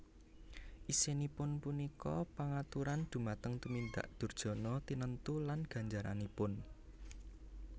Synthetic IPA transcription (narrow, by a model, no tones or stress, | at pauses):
ʔisenipʊnpunikɔpaŋat̪uɾand̪̥ṳmat̪əŋt̪umind̪a̰ʔd̪̥ṳrd̥ʒ̥ɔ̤nɔt̪inənt̪ulanɡ̥ä̤ɲd͡ʒaɾa̰nipʊn